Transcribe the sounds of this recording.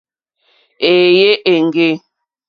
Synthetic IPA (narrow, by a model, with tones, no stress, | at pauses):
e˨je˦ʔe˨ŋ˨ɡe˦